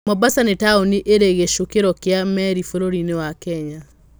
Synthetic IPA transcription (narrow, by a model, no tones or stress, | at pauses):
mɔbasanetaoniʔeɾeɣeʃokeɾɔkeamɛɾifoɾoɾinewakɛɲa